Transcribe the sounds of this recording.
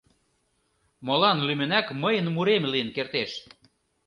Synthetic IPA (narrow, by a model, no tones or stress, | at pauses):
molɑnlymɘ̆nækməjənmuɾemlijənkert̪eʃ